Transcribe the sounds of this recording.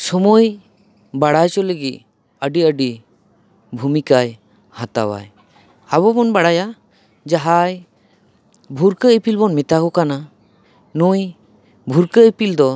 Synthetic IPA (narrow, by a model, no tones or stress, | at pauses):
sɔmoj | baɽajt͡ʃɔleɡiʔ | əɖiəɖi | bʱumikaj | hat̪a̰wa̰j | aβɔbɔnbaɽaja | d͡ʒaɦaj | bʱuɾkəipilbɔnmɛt̪akɔkana | nuj | bʱuɾkəipild̪ɔ